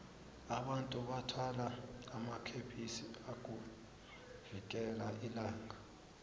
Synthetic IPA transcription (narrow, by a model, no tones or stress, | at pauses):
aɓantʼuɓatʰwalaamakʰepʰisiak̬ʼu | v̥ikʼɛlaʔilaːŋa